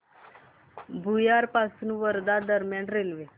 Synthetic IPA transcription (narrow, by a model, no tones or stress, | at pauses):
bujaːɾpasnuʋəɾd̪ad̪əɾmeɳɖɾelʋe